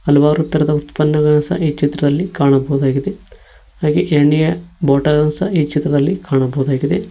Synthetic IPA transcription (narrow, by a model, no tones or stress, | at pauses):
ɐlɐʋaːɾut̪ːɐɾɐd̪ɐut̪pɐnːɐɡɐɳɐsɐ̰ʔiːt͡ʃit̪ɾɐd̪ɐlːikaːɳɐbɐud̪aːɡid̪e | haːɡeʔeɳːijɐboːʈɐlɡɐnsɐiːt͡ʃit̪ɾɐd̪ɐlːikʰaːɳɐbɐːd̪aːɡid̪e